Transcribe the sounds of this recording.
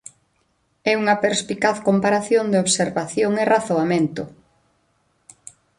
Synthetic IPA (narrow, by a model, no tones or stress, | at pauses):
ɛuŋɐpeɾspikaθkompaɾaθjond̪eoβseɾβaθjoŋeraθoamẽnt̪ʊ